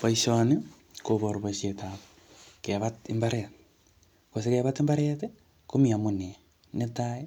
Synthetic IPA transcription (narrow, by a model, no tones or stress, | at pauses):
paisoni | koβoɾoβaʃeta | keβatimbaɾet | kos̬ekeβatembaɾete | komiamone | netae